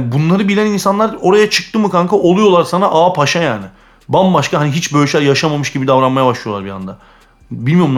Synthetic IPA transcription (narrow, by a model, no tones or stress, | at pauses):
bunlˠaɾɯbilʲæninsanlˠaɾo̞ɾajat͡ʃʰɯ̥k̚t̪ɯmɯkaŋkʰaʔo̞lˠujo̞lˠaɾsanaʔaːpʰaʃajaːnɪ | bambaʃkaɦaniɦit͡ʃbøjʃʲæɾjaʃamamɯʃɟibid̪avɾanmajabaʃlˠɯjo̞lˠaɾbia̰nd̪a | bilʲmijo̞ɾm